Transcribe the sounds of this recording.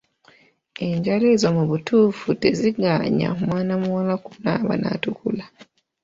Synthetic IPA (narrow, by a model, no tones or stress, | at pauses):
eɲɟalezomuβutʰuːfute̞ziɡaɲa̰mwaːnamuwalakunaβa̰na̰tukula